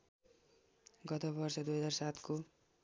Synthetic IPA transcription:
ɡʌt̪obʌrsʌd̪ujɦʌd͡zarsat̪ko

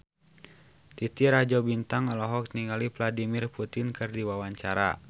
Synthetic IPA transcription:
t̪it̪iɾad͡ʒɔbint̪aŋalɔɦɔkniŋalipladimirput̪inkɨrdiwawaɲt͡ʃaɾa̰

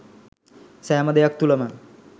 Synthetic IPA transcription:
sæːməd̪ejak̚t̪uləmə

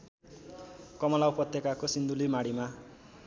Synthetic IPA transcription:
kʌmʌlawpʌt̪ːjʌkakosind̪ulimaɽima

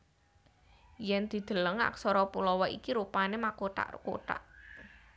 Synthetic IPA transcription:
jɛnd̪̥i̤d̪̥ə̤ləŋa̰ksɔɾɔpulɔwɔikiɾupanemakoʈa̰ʔko̰ʈa̰ʔ

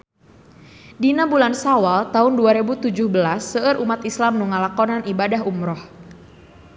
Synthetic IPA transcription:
dinabulansawalt̪aʊnduaɾebut̪ud͡ʒʊhbəlasːəʔəɾʔumat̪islamnuŋalakɔnanibadaɦumɾɔh

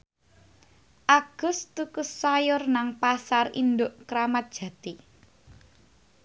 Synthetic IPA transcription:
ʔaɡ̥ʊ̤st̪ukʊsːajʊrnaŋpasarḭnd̪ʊʔkɾamat̪̚d̥ʒ̥ä̤t̪i

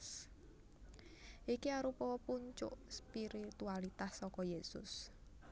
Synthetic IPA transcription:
s | ʔikiaɾupɔɔpʊnt͡ʃʊ̰ʔspiɾit̪ualit̪asːɔkɔjesʊ̰s

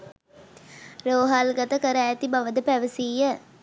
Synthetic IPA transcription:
ɾoːɦalɡɐt̪əkəɾaːt̪ibaʋəd̪əpæʋəsiːjə

